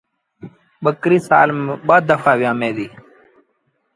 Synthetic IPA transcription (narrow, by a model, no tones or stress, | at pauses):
ɓəkɾiːsa̰ːlmːɓaːd̪ːəfaːʋɪjãːmẽːd̪iː